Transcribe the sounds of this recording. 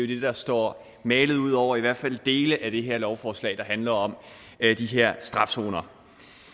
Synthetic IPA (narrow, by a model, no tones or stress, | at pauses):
jo̝d̥e̝d̥ɑ̈sd̥ɒ̰ː | mɛːləð̩ˠuð̞̰ˠɒʊ̰ɐiʋæɐ̰d̥fæl̰d̥e̝ːləʔæd̥e̝ɦeɐlɒʊfɒːslɛ̰ːɪd̥ɑ̈ɦænlɐɒ̽m | d̥iɦeɐ̰sd̥ʁɑ̈fso̝̰ːnɐ